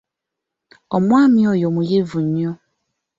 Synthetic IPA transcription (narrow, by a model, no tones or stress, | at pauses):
ɔmũamĩɔjɔmũjevuɲĩɔ